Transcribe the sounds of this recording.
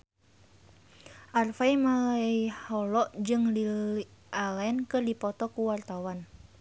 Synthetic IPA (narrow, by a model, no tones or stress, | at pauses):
ʔarfaimaihɔlɔʔd͡ʒɨŋliiʔalɛnkɨrdipɔt̪ɔkuwart̪awan